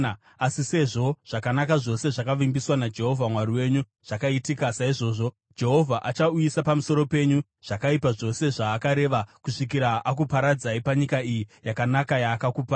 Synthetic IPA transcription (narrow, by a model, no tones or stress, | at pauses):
asise̞ʐo̞ʐ̥akanakaʐo̞se̞ʐakaʋimbiswanad͡ʒe̞ɦo̞vʱamwaɾiwe̞ɲu | ʐ̥akaitikasaiʐo̞ːʐo̞ | d͡ʒe̞ɦo̞vʱaʔat͡ʃauisapamuso̞ɾo̞pe̞ɲu | ʐ̥akaipaʐo̞se̞ʐaːkaɾe̞ʋakuʂik̬iɾaʔakupaɾad͡zaipaɲikaijijakanakajaːkakuːpa